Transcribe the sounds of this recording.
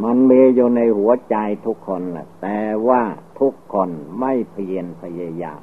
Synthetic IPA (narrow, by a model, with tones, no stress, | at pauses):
ma˧nmiː˧juː˨˩na˧jhu˩˦ɐt͡ɕa˧jt̪ʰu˦˥kʰːo˧nla̰˨˩t̪ɛː˧˩waː˥˩t̪ʰu˦˥kʰːo˧nma˥˩jpʰi˧ənpʰa˧ja˧ja̰ː˧m